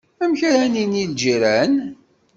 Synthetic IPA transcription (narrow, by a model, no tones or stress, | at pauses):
æmçɾæninild͡ʒiɾæn